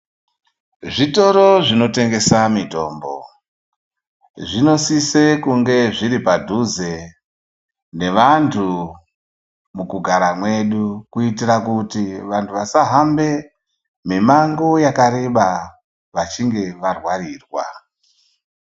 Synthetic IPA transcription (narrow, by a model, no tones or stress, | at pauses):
ʐito̞ɾoʐino̞te̞ŋɡe̞samito̞̰ːmbo̞̰ | ʐino̞sise̞kuŋɡe̞ʐiɾipadʱuze̞ | ne̞ʋantʰu | mukuɡʱaɾamwe̞ɗukuitirakutiʋantʰuʋasaɦambe̞ | mimaŋɡojakaɾeɓa | ʋat͡ʃiŋɡe̞ʋarwaɾiːrwa̰